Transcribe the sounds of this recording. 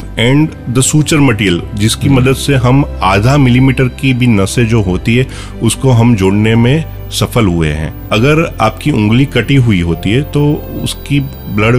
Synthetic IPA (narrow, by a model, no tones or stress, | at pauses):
ɛ̃ːɳɖ | d̪əsuːt͡ʃəɾmɐʈiːəld͡ʒɪskimɐd̪əd̪seɦɐmaːd̪ʱamɪlimiːʈəɾkibʱinɐsed͡ʒoːɦoːt̪iɦɛ | ʊskoɦɐmd͡ʒoːɽnemẽ | sɐfəlɦʊeɦɛ̰̃ː | ɐɡəɾaːpkiʊ̃ŋɡlikɐʈiɦʊiɦoːt̪iɦɛt̪oːʊ̰ski | blɐɽ